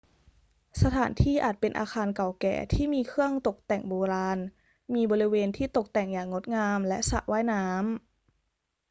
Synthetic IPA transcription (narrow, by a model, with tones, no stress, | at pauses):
sa˧t̪ʰaː˩˦nt̪ʰiː˥˩ʔa̰ː˨˩t̪̚pe˧nʔa̰ː˧xʰaː˧nka˨˩wkɛ̰ː˨˩t̪ʰiː˥˩miː˧kʰɯ˥˩əŋt̪o˨˩k̚t̪ɛ˨˩ŋboː˧ɾaː˧n | miː˧bɔː˧ɾi˦˥weː˧nt̪ʰiː˥˩t̪o˨˩k̚t̪ɛ˨˩ŋjaː˨˩ŋŋo˦˥t̪̚ŋaː˧mlɛ˦˥ʔsa̰˨˩ʔwaː˦˥˩jnaː˦˥m